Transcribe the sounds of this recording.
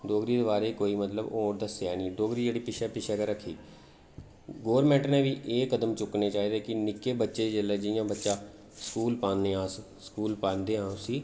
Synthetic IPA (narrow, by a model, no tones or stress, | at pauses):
d̪oːɡɾiːd̪eːbaːɾeːkoːiːmət̪ləboːɾd̪əsɛːnĩːd̪oːɡɾiːd͡ʒeːɽiːpɪʃɛːpɪʃɛːkəɾəkʰːḭː | ɡoːəɾmɛ̃ːɳʈnẽːʋiːʔeːkəd̪əmt͡ʃʊkneːt͡ʃaːiːd̪eːkɪnɪkːeːbətːʃeːd͡ʒəlːeːd͡ʒɪjãːbətːʃaː | skuːlpãːnneːãːs | skuːlpaːnd̪eːɦãːʊsiː